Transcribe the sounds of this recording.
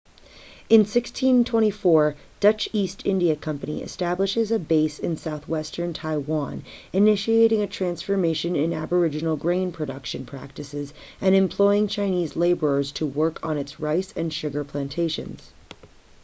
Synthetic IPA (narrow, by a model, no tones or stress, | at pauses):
ɨ̃nsɪkstʰĩntʰw̥ɛ̃ɾ̃ifɔɹ | d̥ʌt͡ʃistʰɪ̃ndiɨkʰʌ̃mpɨnḭɨ̰stæbləʃɨzɨbeɪsɨ̰̃nsaʊθwɛstə̃˞ntʰaɪwɑ̃nɨnɪʃieɪɾɪ̃ŋɨtʰɹ̥æ̃nsfə˞meɪʃɨ̃nɪ̃næbə˞ɪd͡ʒɨn̩l̩ˠɡɹẽɪ̃npʰɹ̥ɨdʌkʃɨ̃npʰɹ̥æ̰k̚tɨsɪzʔɨ̃nɨ̃mpʰl̥ɔɪɪ̃ŋt͡ʃʰãɪ̃nizleɪbə˞ə˞z̥tʰəwɜ˞kʰn̩ɨtsɹaɪsɨ̃nʃʊɡə˞pʰl̥æ̃ntʰeɪʃɨ̰̃nz̥